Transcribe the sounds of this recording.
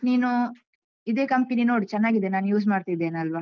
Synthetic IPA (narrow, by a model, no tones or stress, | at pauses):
niːnu | id̪e̞ːkɐmpininoːɽit͡ʃɛnːaːɡid̪enaːnjuːsmaːɽt̪id̪ːeːnɐlʋa